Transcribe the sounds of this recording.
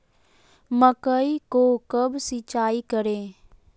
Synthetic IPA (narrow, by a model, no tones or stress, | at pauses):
məkəikokəbsɪt͡ʃaːikəɾeː